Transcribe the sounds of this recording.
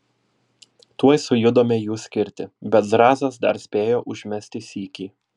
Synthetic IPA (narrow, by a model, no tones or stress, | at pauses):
t̪uɔjsʊjʊd̪oːmʲeːjuːsʲkʲɪɾʲt̪ʲɪbʲɛt̪zɾɑːzɐsd̪ɐ̰ɾsʲpʲeːjoːʔʊʒʲmʲɛsʲt̪ʲɪsʲiːkʲiː